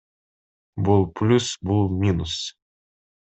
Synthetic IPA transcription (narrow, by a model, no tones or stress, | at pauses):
bɨlˠplʲusbɨlˠmʲinʊs